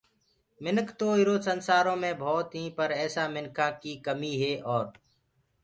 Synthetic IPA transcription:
mɪnəkʰt̪oːiɾoːsənsaːɾõːmẽːbʱɔːt̪ɦĩːpəɾɛːsaːmɪnkʰãːkiːkəmiːɦeːʔɔːɾ

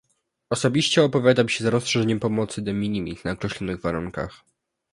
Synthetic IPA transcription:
ɔsɔbʲiɕt͡ɕɛɔpɔvʲjad̪amʲɕɛzaɾɔsʂɛʐɛɲɛmpɔmɔt̪sɘd̪ɛmʲiɲʲimʲḭt̪naɔkɾɛɕlɔnɘɣvaɾuŋka̰x

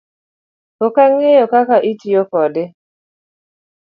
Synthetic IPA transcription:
kokaŋejɔkakaʔitijokɔdɪ

